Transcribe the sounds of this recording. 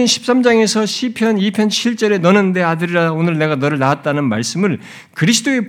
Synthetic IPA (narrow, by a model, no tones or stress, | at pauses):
nɕʰi̥p̚s͈amd͡ʑaŋe̞sʰʌɕʰipʰjʌnipʰjʌnt͡ɕʰiɭt͡ɕ͈ʌɾe̞nʌnɯnde̞adɯɾiɾaonɯɭne̞ɡanʌɾɯɭnaat̚t͈anɯnmaɭs͈ɯmɯɭ | kɯɾis̬ʰɯ̥d͈oe̞